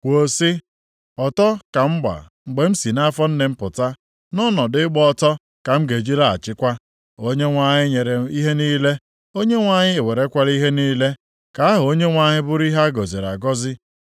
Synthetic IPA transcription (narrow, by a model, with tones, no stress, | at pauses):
kʷo˨˦sɪ˦ | ɔ˨tɔ˦ka˨m̩˦ɡ͡ba̰˨ | ŋ͡m̩˨ɡ͡be˨m̩˦si˨na˦fɔ˦n̩˦ne˨m̩˦pʊ˨ta˦ | nɔ˦nɔ˨dɪ˨ɪ˦ɡ͡bɔ˦tɔ˦ | ka˨m̩˦ɡe˨d͡ʒi˦ɾa˦˨a̰˨t͡ʃɪ˦kʷa˦ | o˦ɲe˦ŋʷa˨ɲɪ˦ɲe˨ɾe˨i˦ɦe˦niː˦le˦ | o˦ɲe˦ŋʷa˨ɲɪ˦e˨we˨ɾe˨˦kʷa˦li˦ɦe˦niː˦le˦ | ka˨a˦ɦʊ˨o˦ɲe˦ŋʷa˨ɲɪ˦bʊ˦ɾi˦ɦa˦ɡɔ˨zi˨ɾa˨ɡɔ˦zɪ˦